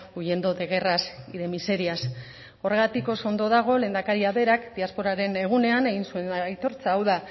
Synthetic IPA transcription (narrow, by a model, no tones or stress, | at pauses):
uje̞nd̪o̞ðe̞ɣ̞e̞rasiðe̞mise̞ɾias | o̞re̞ɣ̞at̪iko̞so̞nd̪o̞ðaɣ̞o̞le̞ːnd̪akaɾiaβe̞ɾakd̪iaspo̞ɾaɾe̞ne̞ɣ̞une̞ane̞ɣ̞insue̞njt̪o̞ɾt͡saːwða